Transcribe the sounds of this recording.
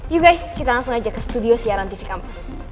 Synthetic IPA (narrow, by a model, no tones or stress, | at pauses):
juɡajskit̪aŋaŋsuŋad͡ʒakːəsə̥t̪udiosəjaɾant̪ifikampas